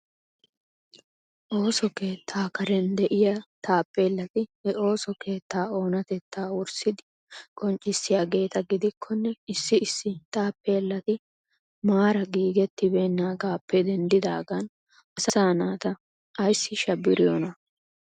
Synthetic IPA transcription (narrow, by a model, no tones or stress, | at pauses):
ʔo̞ːsɔke̞ːt̪ʰːaːkɐɾɛnd̪ɛʔɪjɐt̪aːpːe̞ːlːɐt̪ɪhɛʔo̞ːsɔkʰe̞ːt̪ːaːo̞ːnɐt̪ɛt̪ʰːaːʊɾsɪd̪ɪ | kʼɔnt͡ʃʼːɪsːɪjaːɡe̞ːt̪ɐɡɪd̪ɪkʰːɔnːɛɪsːɪɪsːɪt̪ʼaːpːe̞ːlːɐt̪ɪ | maːɾɐɡiːɡɛt̪ːɪbe̞ːnːaːɡaːpʰːɛd̪ɛnd̪ɪd̪a̰ːɡɐn | ɐsɐsaːnaːt̪ɐ | ɐjsːɪʃɐbːɪɾɪjɔnɐ